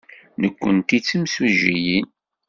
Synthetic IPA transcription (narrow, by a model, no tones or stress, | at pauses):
nəkʷːənt̪it͡sːəmsuʒijin